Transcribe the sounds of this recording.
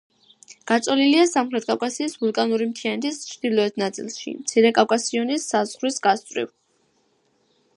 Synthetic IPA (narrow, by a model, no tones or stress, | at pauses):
ɡ̥at̪sʼɔliliasamχɾɛt̪̚ʰkʼawkʼasiːsvulˠkʼanuɾimt̪ʰianɛt̪ʰist͡ʃʰd̪̥ilˠɔɛt̪ʰnat̪sʼḭlˠʃḭmt̪sʰiɾɛkʼafkʼasiɔnisazʁɾwisɡast̪ʼvɾḭv